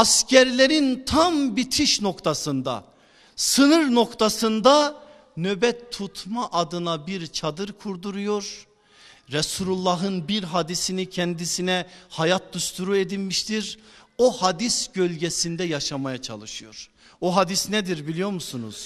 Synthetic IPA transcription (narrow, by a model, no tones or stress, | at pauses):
ascʰɛɾlʲeɾint̪ʰambit̪ʰiʃno̞kt̪ʰasɯnd̪a̰ | sɯnɯɾno̞kt̪ʰasɯnd̪a | nøbɛt̪ʰːut̪ʰmaʔad̪ɯnabiɾt͡ʃʰad̪ɯɾkʰuɾd̪uɾujo̞ɾ | ɾɛsulʲulˠːaɦɯnbiɾɦad̪isinicʰɛnd̪isinɛhajat̪̚d̪ust̪ʰuɾued̪ilʲmiʃt̪ʰiɾohad̪isɟø̞lʲɟɛsind̪ɛjaʃamajat͡ʃʰa̰lˠɯʃɯjo̞̰ɾ̥ | oɦad̪isnɛd̪iɾbilʲijo̞ɾmusunṵz̥